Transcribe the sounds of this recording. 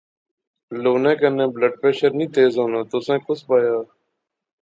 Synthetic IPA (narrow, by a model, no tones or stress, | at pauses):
loːnẽːkənẽːbləɖ̚pɾeːʃəɾnĩːt̪ʰeːzoːnãːt̪osẽːkʊsbaːjaː